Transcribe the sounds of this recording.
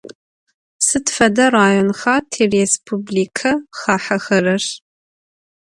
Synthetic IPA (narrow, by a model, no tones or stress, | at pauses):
sɨtfɐdɐraːjonxaːtʰeːrespʰubliːkʰɐxaːħɐxɐrɐʂ